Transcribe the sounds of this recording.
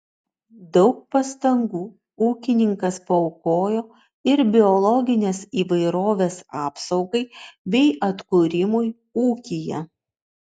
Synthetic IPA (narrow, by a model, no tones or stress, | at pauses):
d̪ɒʊk̚pɐst̪ɐŋɡuː | uːkʲɪnʲɪŋkɐspɐɔʊkoːjoː | ɪɾbʲɪɔlˠɔɡʲɪnʲeːsiːʋɐɪɾoːʋʲeːsɑːpsɒʊɡɐɪbʲɛɪʔɐt̪kuːɾʲɪmʊj | uːkʲɪjɛ̰